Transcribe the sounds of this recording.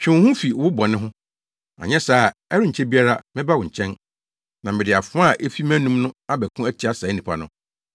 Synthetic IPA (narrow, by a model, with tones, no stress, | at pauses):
t͡ɕᶣɪ̃˦hʊ̃˦fi˨wʊ˦bɔ˨nɪ̃˦ɦʊ̃˦ | a̰˨ɲɛ̃˦saː˦˨ɛ˦ɾɪ˦ɲ̩˨t͡ɕʰɛ˦bi˦a˦ɾa˦mɪ̃˦ba˦wʊ̃˨ɲ̩˨t͡ɕʰɛ̃˦n | nã˨mɪ̃˨dɪ˨a˨fʊ̃˦a˦˨ʔe˦fi˦mæ̃˦nũ˦mnʊ̃˦a˦bɛ˨kʰũ˦æ˦t͡ɕʰi˨˦a˦sa˨˦nĩ˨pʰa̰˨nʊ̃˦